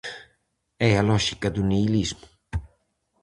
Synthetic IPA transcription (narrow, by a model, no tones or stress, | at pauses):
ɛalɔʃikɐd̪uneilizmu